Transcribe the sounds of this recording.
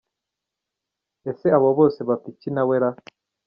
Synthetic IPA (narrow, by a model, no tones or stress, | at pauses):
eseaβoβoːseβapicinaweɾa